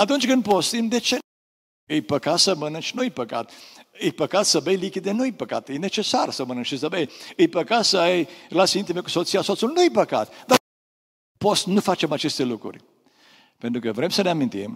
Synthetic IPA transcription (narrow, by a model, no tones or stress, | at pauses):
at̪unt͡ʃʲkɨnd̪pot̪st̪imd̪e̞t͡ʃe̞ | ɨjpəkatsəmənɨnt͡ʃnuɨjpəka̰t̪ɨjpəkat̪səbejlikʲid̪enuɨjpəka̰t̪jene̞t͡ʃe̞sarsəmənɨnʃisəbejɨjpəkasəajrelat̪siint̪ime̞ku̥sot̪sijaso̞t̪sulnuɨjpəka̰t̪d̪a | pot̪snufat͡ʃe̞mat͡ʃe̞st̪e̞lukɾṵrʲ | pent̪ɾukəvɾe̞msəneamint̪ḭm